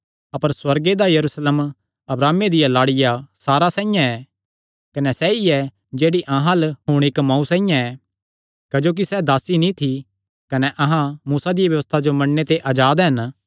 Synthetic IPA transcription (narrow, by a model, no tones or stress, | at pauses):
ɐpəɾswɐɾɡed̪ajɐɾusleːm | ɐbɾaːmed̪ɪjãlaːɽɪjasaːɾasɛ̃ːɪ̃jãɛ | kɐnɛsɛiɛ | d͡ʒeːɽiʔɐ̃ɦãlɦʊɽ̃ɪkmãːũsɛ̃ːɪ̃jãɛ | kɐd͡ʒoːk̬isɛd̪aːsinĩt̪ʰi | kɐnɛʔɐɦãmuːsad̪ɪijaʋjɐʋəst̪ʰad͡ʒomɐ̃ɽːet̪eʔaːd͡ʒaːd̪ɦɐn